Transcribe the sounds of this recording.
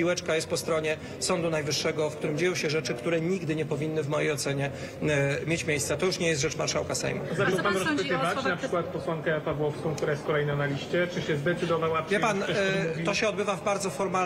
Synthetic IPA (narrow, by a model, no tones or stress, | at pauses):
iwɛt͡ʂkajɛst̪̚pɔst̪ɾɔɲɛ | sɔnd̪unajvɘʂːɛɡɔfkt̪uɾɘmd͡ʑejɔ̃w̃ɕɛʐɛt͡ʂɘkt̪uɾɛɲiɡd̪ɘɲɛpɔvʲinːɘvmɔjejɔt̪sɛɲɛ | mʲjet͡ɕmʲjejssat̪ɔjuʂɲɛjɛst̪ʐɛt͡ʂmaɾʂawkasɛ̰jmṵzatɔwpanɾɔspɘt̪ɪvat͡ɕnapʂɘkwat̪pɔswaŋkɛpavwɔfskɔ̃kt̪uɾajɛst̪̚kɔlɛjnãnalʲiɕt͡ɕɛt͡ʂɨɕɛzd̪ɛt̪sɘd̪ɔvawavʲjɛpant̪ɔɕɛɔd̪bɘvavbaɾd̪zɔfɔɾma